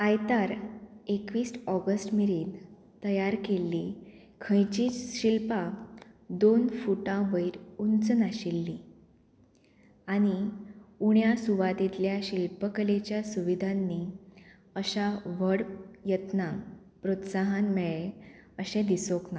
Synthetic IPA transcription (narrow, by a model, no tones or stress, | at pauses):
ajt̪aɾekʋiːsʈɔɡəsʈmiɾiːn | t̪əjaɾkelːi | kʰə̃jt͡ɕiːt͡sɕilpa | d̪onfuʈãʋəiɾunt͡sənaɕilːi | añiuɳjasuʋad̪it̪ljaɕilpəkəlet͡ɕjasuʋid̪ʱanːi | əɕaʋəɽjət̪na | pɾot̪saɦãnmeɭeəɕẽd̪isokna